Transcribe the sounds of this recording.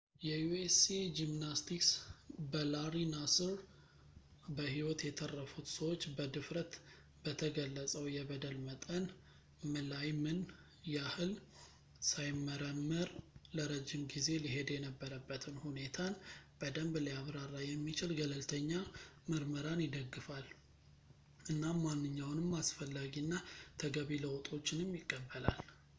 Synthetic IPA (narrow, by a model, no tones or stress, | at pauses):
jɛjuesed͡ʒimnast̪ʰiksbəlaɾinasɨɾ | bəhiwɔt̪jɛt̪ʰərːəfut̪səwot͡ʃːbəd̪ɨfɾət̪ | b̥ət̪ʰəɡəlːət͡sʼəwjɛbəd̪əlmət̪ʼən | mɨlajmɨn | jahɨl | sajmːəɾəmːəɾləɾəd͡ʒːɪmɡize̞liɦe̞d̪jɛnəbːəɾəbːət̪ʰɨnhune̞t̪ʰanb̥əd̪əmbləjaβɾarːajɛmːit͡ʃɪlɡələlt̪ʰəɲːamɨɾməɾanjɪd̪əɡːɨfal | ʔɨnːamːanːɨɲːawnɨmːasfəlːaɡinːat̪ʰəɡəβiləwt̪ʼo̞t͡ʃːɪnɨmːjɪkʼːəbːəla̰l